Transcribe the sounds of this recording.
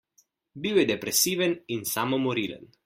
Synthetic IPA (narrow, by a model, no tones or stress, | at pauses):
biwjɛd̪ɛpɾɛsiːʋɛninsamɔmɔɾilə̰n